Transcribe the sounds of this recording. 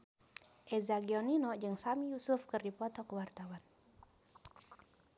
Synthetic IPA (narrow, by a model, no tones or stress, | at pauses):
ʔɛzaɡiɔninɔd͡ʒɨŋsamijusufkɨrdipɔt̪ɔkəwart̪awan